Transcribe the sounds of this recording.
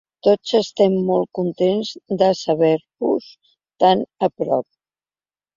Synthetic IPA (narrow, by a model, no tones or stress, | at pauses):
t̪od͡zəst̪ɛmːɔl̚ˠkunt̪enzd̪əsəβɛɾβuz | t̪anəpɾɔ̰p̚